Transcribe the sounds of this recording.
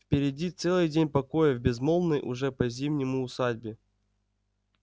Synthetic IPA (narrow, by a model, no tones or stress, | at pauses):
fpʲɪɾʲɪdʲit̪sɛlˠɨjdʲenʲpɐko̞jəvbʲɪzmo̞lˠnəjʔʊʐɛpɐzʲimnʲɪmʊːsadʲbʲɪ